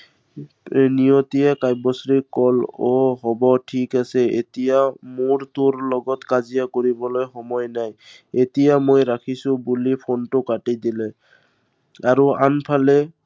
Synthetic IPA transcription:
nijot̪ijakajbɔsɹikɔlɔɦɔbɔʈʰikasɛḛtijamoɹt̪ʊɹlɔɡɔtkazijakoɹibɔlojxɔmɔjnaj | etijamojɹakʰisʊ̃bulipʰontʊkaʈidilɛ | aɹuanpʰalɛ

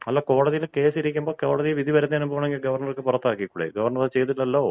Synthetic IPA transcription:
ɐlːako̞ːɽɐðijilke̞ːsiɾikʲːumbo̞ːkoːɽɐðijeʋid̪ʱiʋɐɾɐnːeaːnumboːɳɐmeŋɡilɡɐʋɐrɳɐrkːɨpurɐt̪ːaːkːijkːuːɽḛɡɐʋɐrɳɐraːt͡ɕe̞jt̪̬ːiʈːɐlːoː

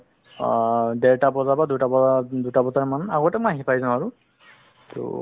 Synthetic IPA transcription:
dɛɹtabɔzabadutabɔdutabɔzaɹɛmanaɡɔtɛmɔaɦipajzanaɹʊ | tʊ̰

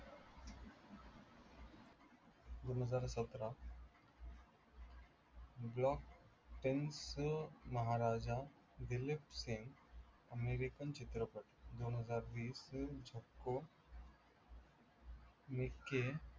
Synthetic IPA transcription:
d̪onɦəzaːɾsət̪ɾa | blɔk | ʈensməɦaɾaːd͡ʑa | d̪ilepseŋɡ | əmeɾikənt͡ɕit̪ɾəpəʈd̪onɦəzaːɾʋiːsd͡ʑʱəkːo | mikːe

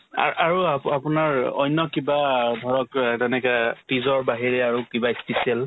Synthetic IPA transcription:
a̰ʔaɹuapunaɹɔ̰jnːɔkibadʱɔɹɔktɛnɛkɛtizɔɹbaɦiɹɛaɹukibaispisiɛl

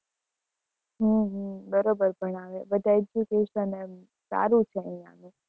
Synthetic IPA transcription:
ɦũɦũbəɾobəɾbʱəɳaʋebəd̪ʱaed͡ʒjukeʃənem | sa̰ɾũt͡ʃʰeə̃ĩa̰nũ

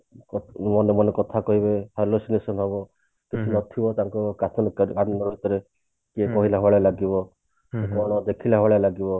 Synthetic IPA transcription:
kmɔnemɔnekɔt̪ʰakɔɦibehalosinesɔnɦɔbɔ | kit͡ʃʰinɔt̪ʰibɔt̪aŋkɔkat̪ʰɔnkkannɔɾut̪ɔɾe | kekɔɦilaɦɔɭalaɡibɔ | sekɔɽ̃ɔd̪ekʰilaɦɔɭalaɡibɔ

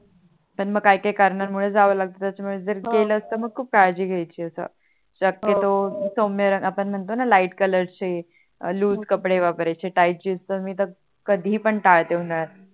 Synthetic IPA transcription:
pəɳməɡkajkajkəɾɳaɾmuɭed͡zaʋəlaɡ̚t̪ot̪jat͡ɕamuɭed͡zəɾɡeləːst̪əməɡ̚kʰuːp̚kaɭd͡ʑiːɡʱajt͡ɕiːəsə̰ | ɕəkːet̪osomjəɾəŋapəɳm̤əɳt̪onalaiʈkələɾt͡ɕe | luːskəpɽeʋapəɾajt͡ɕeʈajʈ̚d͡ʑist̪əmiːt̪̬ə | kəd̪ʱiːpəɳʈaɭt̪eɦoɳaɾɾ

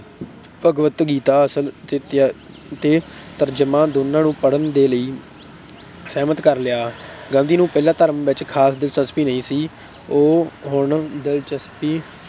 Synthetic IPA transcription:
pəɡʋət̪ɡiːt̪aːəsəlt̪eːt̪ː | t̪eːt̪əɾd͡ʒəmãːd̪oːnãːnũːpəɽənd̪eːləiː | sɛːmət̪kəɾlɪaːɡãːnd̪iːnũːpɛːlãːt̪əɾəmʋɪt͡ʃkʰaːsd̪ɪlt͡ʃəspiːnəĩːsiː | oːɦʊɳd̪ɪlt͡ʃəspiː

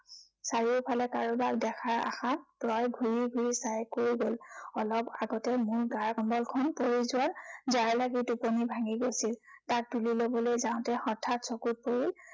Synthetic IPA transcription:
saɹiʊpʰalɛkaɹubakdɛxʰaɹa̰xanpɹɔjɡʱuɹiɡʱuɹisajkoɹiɡolɔlɔpaɡɔtɛmʊɹɡaɹkɔmbɔlkʰɔnpoɹizʊwanzaɹlaɡitupɔnibʱaŋiɡojsiltak̚dulilobɔlojzãʊ̃tɛxɔtʰatsɔkut̚poɹil

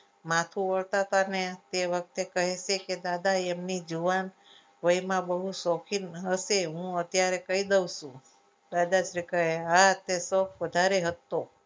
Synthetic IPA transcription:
mãt̪ʰũʋəɭt̪at̪anet̪eʋək̚t̪ekəɦeʃeked̪ad̪aemnid͡ʒuʋan | ʋəimãbəɦusɔkʰinəʃeɦũət̪jaɾekəid̪əwʃũ | d̪ad̪aʃɾikəɦeat̪esop̚ʋəd̪ʱaɾeɦət̪ːo

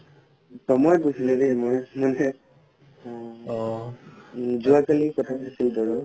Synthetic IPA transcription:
tɔmɔjkusilɛdɛmɔjmanɛ | zʊakalikɔtʰakusildɔɹu

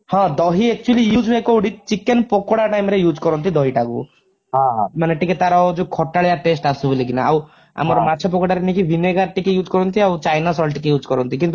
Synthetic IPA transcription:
hãd̪ɔɦiek̚t͡ʃuelijuːd͡ʒʋekɔuɽit͡ʃikenpokoɽaʈajmɾejuːd͡ʒkɔɾɔnt̪̬id̪ɔɦiʈaɡṵ | ɦãɦmaneʈiket̪aɾad͡ʒukʰɔʈːaɭjaʈesʈasubelikinaa̰w | a̰mɔɾɔmat͡ʃʰɔp̬ɔkɔɽaɾenikiʋineɡaɾʈikejuːd͡ʒkɔɾɔnt̪iawt͡ʃajnasɔlʈikejuːd͡ʒkɔɾɔnt̪ikint̪u

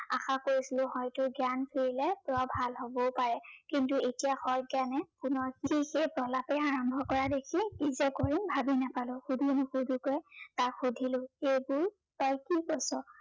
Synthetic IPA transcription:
a̰xakoɹisilʊ̃hɔjtʊɡjanpʰiɹilɛpɔbʱalɦobɔpaɹɛkintuetijaxɔjɡjanɛkʊnɔɹkiixejpɹɔlapɛaɹɔmbʱɔkɔɹadekʰikizɛkoɹimbʱabinapalʊ̃xudʱunʊxudʱukojtakxudʱilʊ̃xejbʊɹ | tɔjkikɔsɔ

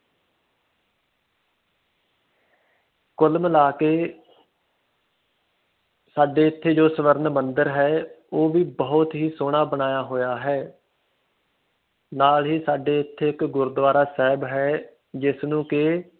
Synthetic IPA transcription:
kʊlmlaːkeː | saːɖeːɪt̪ʰːeːd͡ʒoːsəʋəɾnmənd̪əɾɦɛːoːʋiːbəːʊt̪ɦiːsoːɳ̃aːbənaːjaːɦoːjaːɦɛː | naːlɦiːsaːɖeːɪt̪ʰːeːɪkɡʊɾd̪ʋaːɾaːsɛːbɦɛː | d͡ʒɪsnũːkɪ

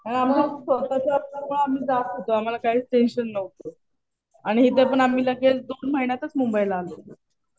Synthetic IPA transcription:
aam̤alasət̪at͡ɕjaəpaɾməɭam̤iːd͡zat̪ɦot̪oam̤alakaɦiːt͡sʈenɕənːəwt̪o | aɽ̃iɦit̪epəɳam̤iːləɡet͡sd̪onməɦinjat̪ət͡smumbəjlːlo

